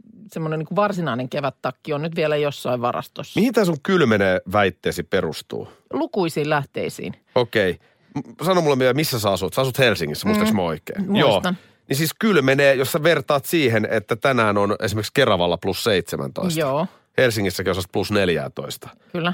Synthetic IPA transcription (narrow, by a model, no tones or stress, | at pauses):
semːoneniːkuʋʋɑrsinɑˑineŋkeʋæt̪ːɑkːionnyt̪ʋielæjosːɑiʋʋɑrɑ̰st̪osːmihint̪æːsuŋkylmeneːʋæit̪ːeːsipperust̪ṵː | lukuisiːlæht̪ḛisḭːn | okei | sɑnomulːemyøæmisːæsɑɑsut̪seɑsut̪helsiŋːisːæmuist̪ɑksmæoikḛːnmjuost̪ɑn | nisiːskylmeneːjosːɑʋert̪ɑːt̪siːhenet̪ːæt̪ænæːnonesimerkskerɑʋɑlːɑplusseit̪semʔæ̰nt̪o̰isjtoɑː | helsiŋːisːækeusɑst̪plusneljæ̰ːt̪o̰ist̪ɑ̥kylːæ